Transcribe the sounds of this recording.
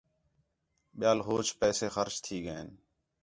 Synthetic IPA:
ɓɪjaːlɦoːt͡ʃpɛːseːxəɾt͡ʃt̪ʰiːɡəeːn

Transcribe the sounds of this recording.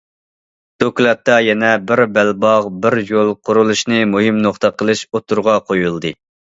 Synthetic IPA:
d̪̥oklˠɑt̪ːɑjɛnɛbɪɾbælbɑʁbɪɾjolˠqʰʊɾulˠuʃnɨmuɦɨmnoχt̪əqəlˠɨʃot̪ʰuɾʁɑqʰojulˠd̪ɨ

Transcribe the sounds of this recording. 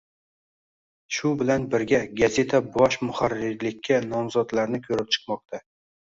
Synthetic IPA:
ʃʊbɪlanbɪɾɡʲaɡaze̞t̪ʰabɒʃmʊχaɾɪɾlɪkʲʰːanɒmzɒd̪laɾnɪkʲʰɵɾɪp̚t͡ʃʰɨ̥qmɒqt̪ʰa

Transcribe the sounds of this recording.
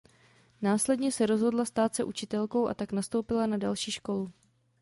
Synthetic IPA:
naːslɛdɲɛsɛɾo̞zɦo̞dlast̪aːt̪sɛʔut͡ʃɪt̪ɛlko̞wʔa̰t̪aknast̪o̞wpɪlanadalʃiːʃko̞lu

